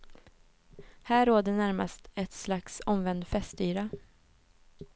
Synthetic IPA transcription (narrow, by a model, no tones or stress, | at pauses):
hæːɾːoːd̪əɳæɾma̰st̪ɛt̪slaksɔmvɛnd̪fɛst̪yːɾa